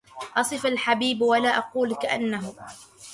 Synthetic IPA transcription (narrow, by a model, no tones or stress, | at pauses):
ʔɑsˤɨfalħabiːbwalaːʔɑquːlkaʔanːaɦʊ